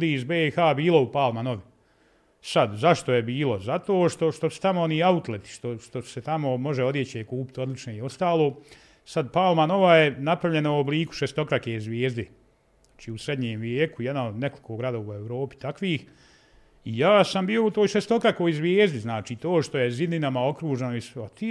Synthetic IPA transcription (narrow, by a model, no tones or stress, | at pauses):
d̪iizbeːxaːbiːlˠo̞upaːlˠmanoʋi | sad̪zaʃt̪o̞jebiːlo̞zat̪oːʃt̪o̞ʃt̪o̞su̥t̪amooniːaut̪let̪i̥ʃt̪o̞ʃt̪o̞̥set̪amo̞mo̞ʒeo̞d̪je̞t͡ɕekuːpi̥t̪o̞d̪lit͡ʃnoio̞st̪aːlˠo̞ː | sad̪paːlˠmano̞ʋajenapɾaʋʎe̞nouobliːku̥ʃest̪o̞kɾakeːzʋʲjeːzd̪e | ḁːt͡ʃiːusɾe̞d̪ɲeːmʋjeːkujed̪naod̪ne̞kolikʰoːɡɾad̪oːʋue̞ʋɾo̞ːpi̥t̪akʋiːx | ijaːsambiːo̞ut̪o̞ːjʃest̪o̞kɾako̞ːjzʋʲjeːzd̪iznaːt͡ʃiːt̪oːʃt̪o̞je̞zid̪ninamao̞kɾuːʒenoisat̪i